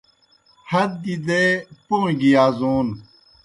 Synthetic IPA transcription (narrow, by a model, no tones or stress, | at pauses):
hɐd̪̚ːid̪epoĩɡiaːzuːn